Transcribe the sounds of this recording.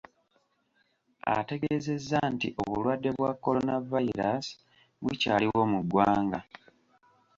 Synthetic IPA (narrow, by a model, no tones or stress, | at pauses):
a̰te̞ɡeze̞zːantḭʔo̞βulwadːe̞βwakːo̞onavaiɾas | βwucaːliwo̞ːmuɡːwaːŋɡa